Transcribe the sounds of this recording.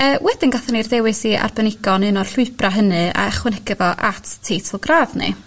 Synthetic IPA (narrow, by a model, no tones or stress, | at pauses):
əːwɛdɪnɡaθɛnirdɛwɨsia̰rbənɪɡɔnɨnɔr̥ɬʊɨpraɦənɨa̰ɛχwɛnɛɡɛvɔʔatʰːeːtʰɔlˠɡraːvnɨ̰